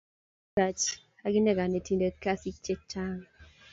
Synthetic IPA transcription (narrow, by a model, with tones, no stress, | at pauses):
a˨t͡ʃ | a˦ɡɪ˦nɛ˦ɡa˨ne˨ti˨nde˨ka˦si˦t͡ʃe˦t͡ʃa˦ŋ